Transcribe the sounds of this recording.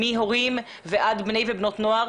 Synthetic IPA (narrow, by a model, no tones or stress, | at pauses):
iɦo̞ʁim | veʔad̪bne̞jvebno̞t̪noaʁ